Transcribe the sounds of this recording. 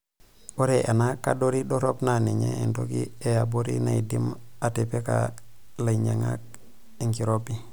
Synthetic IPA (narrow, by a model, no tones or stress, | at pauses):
oɾeʔanaka̰doɾidoɾopnaneɲḛendo̰ɡiejaboɾḭnaidimatepeka̰ | laɲaŋa̰k̚ | iŋkiɾobi